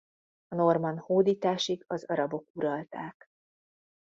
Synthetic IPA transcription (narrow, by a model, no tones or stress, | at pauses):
ɒno̞rmɒnhoːd̪iːt̪aːʃiɡɒzɒɾɒbo̞kuɾɒlt̪aːk